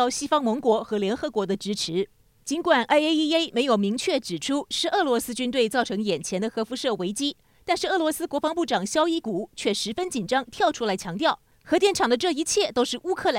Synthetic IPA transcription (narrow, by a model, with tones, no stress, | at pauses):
ʊɕi˥fɑ˥ŋmɤ˧˥ŋkwɔ˧˥xɤ˧˥ljɛ˧˥nxɤ˧˥kwɔ˧˥d̪ə˧ʈ͡ʂɻ̩˧˥ʈ͡ʂʰɻ̩˧˥ | t͡ɕi˧˥nkwa˨˩nʔa˥ɪe˥ɪi˥e˥ɪme˧˥ɪjo˨˩ʊmi˧˥ŋt͡ɕʰɥɛ˥˩ʈ͡ʂɻ̩˨˩ʈ͡ʂʰu˥ʂɻ̩˥˧ɤ˥˩lwɔ˧˥sɹ̩˥t͡ɕy˥nt̪we˥˧ɪt͡sɑ˥˩ʊʈ͡ʂʰɤ˧˥ŋjɛ˨˩nt͡ɕʰjɛ˧˥nd̪ə˧xɤ˧˥fu˧˥ʂɤ˥˩we˧˥ɪt͡ɕi˥ | t̪a˥˧nʂɻ̩˥˩ɤ˥˩lwɔ˧˥sɹ̩˥kwɔ˧˥fɑ˧˥ŋpu˥˩ʈ͡ʂɑ˨˩ŋɕjɑ˥ʊi˥˩ku˨˧˩t͡ɕʰɥɛ˥˩ʂɻ̩˧˥fə˥nt͡ɕi˨˩nʈ͡ʂɑ˥ŋt̪ʰjɑ˥˩ʊʈ͡ʂʰu˥la˧˥ɪt͡ɕʰjɑ˧˥ŋt̪jɑ˥˩ʊ | xɤ˧˥t̪jɛ˥˩nʈ͡ʂʰɑ˨˩ŋd̪ə˦ʈ͡ʂɤ˥˩i˧˥t͡ɕʰjɛ˥˩t̪o˥ʊʂɻ̩˥˩ʔu˥kʰɤ˥˩l